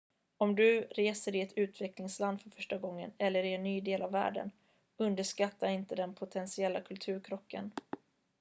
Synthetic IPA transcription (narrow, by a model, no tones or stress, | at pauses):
ɔmd̪ɵɾeːsəɾɪɛt̪ʰʉ̟ːt̪vɛklɪŋsland̪fœɾfœʂʈaɡɔŋːə̰nɛlːəɾɪɛnːyːd̪eːlavːæ̰ːɖə̰n | ɵnd̪əʂkat̪ːaɪnt̪əd̪ɛnpʰʊt̪ʰɛnsɪɛlːakʰɵlt̪ʰʉ̟ːɾkʰɾɔkʰːə̰n